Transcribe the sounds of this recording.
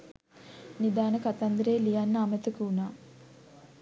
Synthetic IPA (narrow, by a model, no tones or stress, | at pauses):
nid̪aːnəkat̪and̪ɾeːlijanːəamət̪əkəunaː